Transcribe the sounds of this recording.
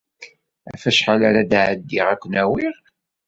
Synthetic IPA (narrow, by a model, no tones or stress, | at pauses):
æ̰fæʃħalaɾad̪ʕəd̪ːiʁækʷːənæwiʁ